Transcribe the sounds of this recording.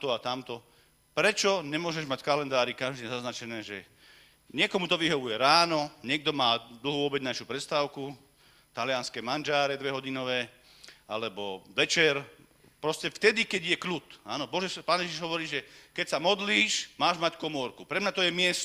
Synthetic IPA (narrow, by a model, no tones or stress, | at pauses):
t̪ɔat̪amt̪ɔ | pɾɛt͡ʃɔɲɛmʊɔʒɛʒmackalɛnd̪aːɾikaʒd̪iɛzaznat͡ʃɛnɛːʒɛ | ɲɪɛkɔmut̪ɔʋiɦɔʋujɛɾaːnɔɲɪɛɡ̚d̪ɔmaːd̪l̩ˠɦuʋɔbɛd͡znaʃjuːpɾɛst̪aːʊku | t̪alɪanskɛːmand͡ʒaːɾɛd̪ʋɛɦɔɟinɔʋɛː | alɛbɔd̪ɛt͡ʃɛɾ | pɾɔscɛft̪ɛd̪ikɛɟjɛklut̪anɔbɔʒɛpaːnjɛʒiʒɦɔʋɔɾiːʒɛkɛcsamɔd̪liːʃmaːʒmackɔmɔɾkupɾɛmɲat̪ɔjɛmɪɛs